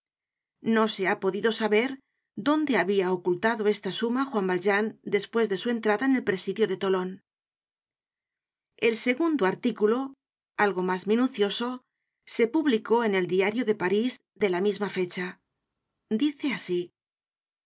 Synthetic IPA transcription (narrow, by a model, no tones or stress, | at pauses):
no̞se̞apo̞ðiðo̞saβe̞ɾ | ðo̞nd̪e̞aβiaokult̪aðo̞e̞st̪asumaxwambalʒand̪e̞spwe̞zðe̞sue̞nt̪ɾaðaene̞lpɾe̞siðjo̞ðe̞t̪o̞lo̞n | e̞lse̞ɣund̪oaɾt̪ikulo̞ | alɣo̞mazmĩnuθjo̞so̞ | se̞puβliko̞e̞ne̞ld̪iaɾjo̞ðe̞paɾiz | ðe̞lamizmafe̞t͡ʃa | d̪iθe̞asi